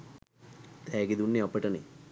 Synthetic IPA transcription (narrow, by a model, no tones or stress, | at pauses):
t̪ɛːɡid̪unːeɐpəʈɐne